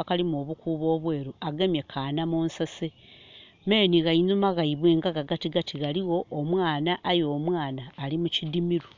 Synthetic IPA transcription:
akalimoβukuːβo̞ːβwe̞ːɾuaɡe̞mje̞kʰaːnamuːnsase | me̞ːniɣainumaɣaiβweːŋɡaɣaɡatiɡatiɣaliɣo̞ʔːmwaːnaʔːjo̞ːmwaːnaːlimucidimiɾu

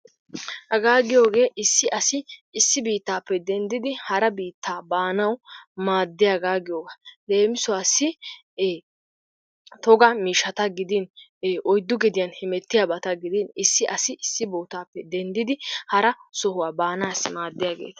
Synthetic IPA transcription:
hɐɡaːɡɪjo̞ːɡe̞ːʔɪsːɪʔɐsɪːsːɪbiːt̪ːaːpːɛd̪ɛnd̪ɪd̪ɪhɐɾɐbiːt̪ːaːbaːnɐwmaːd̪ːɪjaɡaːɡɪjoːɡɐle̞ːmɪsʊwaːsːɪ | t̪ɔɡɐmiːʃɐt̪ɐɡɪd̪ɪnːʔɔjd̪ːʊɡɛd̪ɪjɐnhɪmɛt̪ːɪjabɐt̪ɐɡɪd̪ɪnɪsːɪʔɐsɪɪsːɪbo̞ːt̪aːpːɛd̪ɛnd̪ɪd̪ɪhɐɾɐsɔhʊwaːbaːnaːsmaːd̪ːɪjaːɡḛːt̪ɐ̥

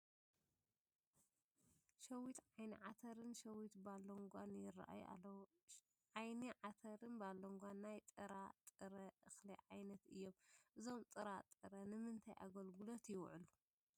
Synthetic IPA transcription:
ʃɐwit̪ʕajniʕat̪ʰɐɾɨnʃɐwit̪balːoŋɡʷanjɪra̰ʔa̰j̰a̰ɐw | ʕajniʕat̪ʰɐɾɨnbalːoŋɡʷanːajt̪ʼɨɾat̪ʼɨɾɐʔɨxliʕajnɐt̪ɨjːo̞mʔɨzo̞mt̪ʼɨɾat̪ʼɨɾɐnɨmɨnt̪ʰajʔa̰ɡɐlɡulot̪jɪwʕɨlu

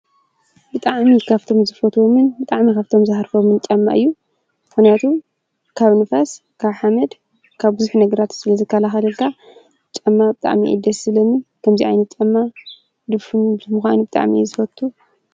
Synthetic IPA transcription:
bɨt̪ʼaʕmikʰaβt̪ʰo̞mzɨfɐt̪ʰomɨnbɨt̪ʼaʕmikʰaβt̪ʰo̞mzɨhɾfomɨnt͡ʃʼɐmːa̰ʔɨjːu | mɨxnijat̪ʰu | kʰaβnɨfas | kʰaβħamɐd̪ | kʰaβbɨzuħnɐɡɐɾat̪sɨlɐzɨkʰːɐlaxɐlɐkːa | t͡ʃʼɐmːabɨt̪ʼa̰ʕmḭʔḭd̪ɐsɨlɐmikʰɐmziʔa̰jnɐt̪̚t͡ʃʼɐmːa | d̪ɨβfubɨmuxʷanubɨt̪ʼa̰ʕmḭzɨfɐt̪ʰːu

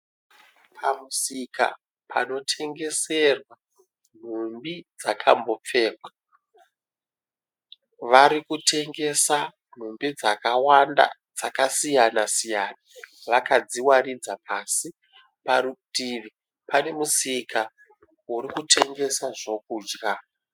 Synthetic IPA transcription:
pʰamusika̰ | pʰa̰no̞tʰe̞ŋɡe̞se̞rwa | n̤umbid͡zakʰambo̞p͡fe̞ːkwa | ʋaɾikutʰe̞ŋɡe̞sa | n̤umbid͡zakawanda̰d͡zakasijanasijaːnaʋakad͡ziwarid͡zap̚ʰasi | paɾutiːʋi | pane̞musikʰa | wuɾikutʰe̞ŋɡe̞saʐo̞kuːd͡ʒra

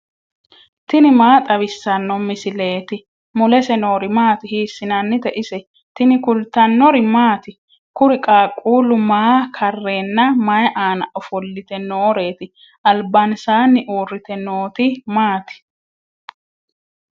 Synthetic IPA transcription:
t̪ɪnɪmaːt̪ʼɐβɪsːɐnːɔmɪsɪle̞ːt̪ɪ | mʊlɛsɛno̞ːɾɪmaːt̪ɪhiːsːɪnɐnːɪd̪ɛʔɪsɛ | t̪ɪnɪkʊlt̪ɐnːɔɾɪmaːt̪ɪ | kʊɾɪkʼaːkʼːuːlʊmaːkʰɐrːe̞ːnːɐmɐjʔaːnɐ̰ʔɔfɔlːɪt̪ɛnoːɾe̞ːt̪ɪ | ʔɐlbansaːnːɪʔoːrːɪt̪ɛnoːt̪ɪmaːt̪ɪ̥

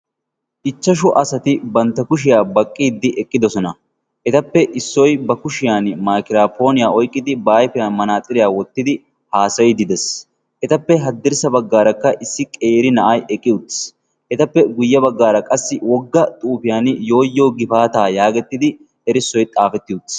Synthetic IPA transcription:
ʔɪt͡ʃːɐʃʊʔɐsɐt̪ɪbɐnt̪ːɐkʊʃ̬ɪjaːbɐkʼːiːd̪ːɪʔɛkʼːɪd̪ɔsɔnɐ | ɛt̪ɐpːɛʔɪsːɔjbɐkʊʃɪjaːnmaːkɪɾaːpʰo̞ːnɪjaːɔjkʼːɪd̪ɪbaːjpɛjanmɐnaːt̪ʼɪɾɪjaːwɔt̪ːɪd̪ɪ | haːsɐjd̪ɪd̪ɛs | ʔɛt̪ɐpːɛɦɐd̪ːɪɾsɐbɐɡːaːɾɐkːɐʔɪsːɪkʼeːɾɪnɐʔɐjʔɛkʼːɪjʊt̪ː | ʔɛt̪ɐpːɛɡʊjːɐbɐɡːaːɾɐkʼɐsːɪwɔɡːɐt̪ʼuːpɪjaːnjo̞ːjːoːɡɪfaːt̪aːjaːɡɛt̪ːɪd̪ɪ | ɛɾɪsːɔjt̪ʼaːfɛt̪ːɪʊt̪ː

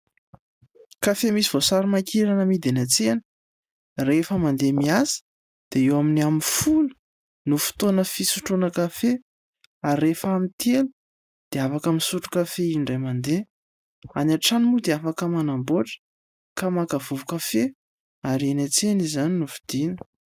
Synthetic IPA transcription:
kafemisivosaɾimakʰiɾanəmid̪enat͡senə̥ | refəmand̪emiasə̥ | d̪̥eewaminiaminfulə̥ | nufi̥t̪onəfisuʈ͡ʂunəkafe | aɾːefamint̪ielu̥ | d̪̥eafakaminsuʈ͡ʂu̥kafeiɳɖ͡ʐajmand̪e | anaʈ͡ʂanimud̪eafakəmanamboʈ͡ʂə̥ | kamakavuvukafe | aɾenat͡senizaninufi̥d̪̥inə̥

